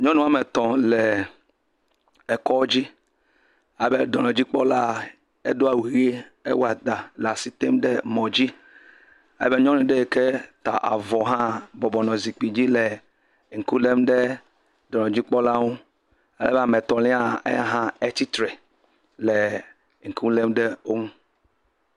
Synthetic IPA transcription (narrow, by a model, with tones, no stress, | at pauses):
ɲɔ̃˦nũ˦a˦mɛ˨t̪ɔ̃˨lɛ˨ | ɛ˨kɔ˦d͡ʒi˦ | a˨be˦dɔ˨nɔ̃˨d͡ʑi˦k͡pɔ˦la˦ | e˦do˦a˦˨wi˨ɣe˦ḛ˦wa˨d̪a˨la˨si˦t̪e˦mɖɛ˦mɔ̃˨d͡ʑi˦ | a̰˨˦be˦ɲɔ̃˦nũ˨ɖe˦e˨ke˦t̪a̰˨ʔa̰˨vɔ˨ɦã˦bɔ˨bɔ˨nɔ̃˨zi˨k͡pi˨d͡ʑi˦le˨ | ŋ̩˨ku˦le˦mɖɛ˦ | dɔ˨nɔ̃˨d͡ʑi˦k͡pɔ˦la˦wo˦ | a˨lɛ̰˦bɛ˦a˨mɛ˨t̪ɔ˨lĩ˦a˦ḛ˦ɦã˦e˦t̪i˦t̪ɾɛ˨ | lɛ˨ | ŋ̩˨ku˦le˦mɖe˦o˦ŋũ˦